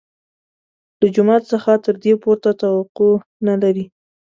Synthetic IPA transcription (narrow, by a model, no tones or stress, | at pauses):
ləd͡ʒʊmɑt̪səxat̪əɾd̪epoɾt̪at̪awaqonalaɾi